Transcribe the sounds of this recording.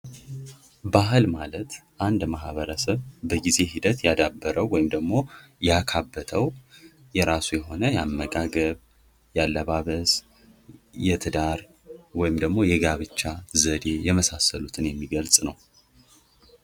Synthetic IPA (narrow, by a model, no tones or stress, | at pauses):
bahɨlmalət̪ʔand̪maɦβəɾəsəβbəɡize̞ɦid̪ət̪jad̪abːəɾəwːɔjɪmd̪əɡmo̞jakʰabːət̪ʰəw | jɛɾasujɛɦo̞nəjamːəɡʼaɡəβ | jalːəβaβəs | jɛt̪ʰɨd̪aɾ | wɔjɪmd̪əɡmo̞jɛɡaβɨt͡ʃːazəd̪e̞jɛməsasəlut̪ʰɨnjɛmːiɡəlsʼnəw